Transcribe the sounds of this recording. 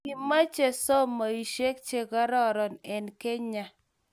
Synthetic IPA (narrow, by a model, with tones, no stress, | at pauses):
ki˨ma˦t͡ʃe˦˨sɔ˦mɔ˨i˨ʃe˦k̚t͡ʃe˨kɔ˦ɾɔ˦ɾɔ˨nɛ˨nke˦ɲa˨